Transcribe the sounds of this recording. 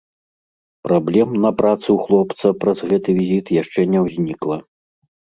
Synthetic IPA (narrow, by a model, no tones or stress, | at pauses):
pɾablʲɛmnɐpɾat̪sɨwxlˠɔpt̪sɐpɾɐzɣɛt̪ɨvʲizʲit̪jaʂt͡ʂɛnʲɛwzʲnʲiklˠɐ